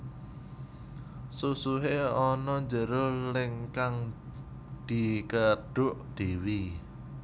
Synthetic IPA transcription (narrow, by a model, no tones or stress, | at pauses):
susuɦeɔnɔɲd͡ʒəɾolɪŋkaŋ | d̪̥i̤kəɖ̥ʊʔd̪̥i̤wi